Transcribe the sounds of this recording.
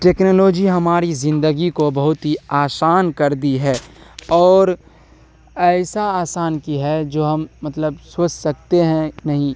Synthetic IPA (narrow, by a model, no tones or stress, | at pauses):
ʈeːknoːloːd͡ʒiɦɐmaːɾizɪ̃nd̪əɡikobɐɦʊt̪ɦiaːsaːnkɐɾd̪iɦɛɔːɾ | ɛːsaaːsaːnkiɦɛd͡ʒoːɦɐmmɐt̪ləbsoːt͡ʃsɐk̚t̪eɦɛ̃nɐɦĩ